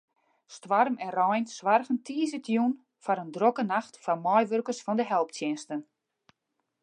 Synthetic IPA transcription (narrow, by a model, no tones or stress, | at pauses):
stʋarmɛnrɔjnsʋarɣəntʰiəzətjun | faɾəndrokənaxtfamɔjʋørkərsfɔndəɦɛlˠptʰjɪnstən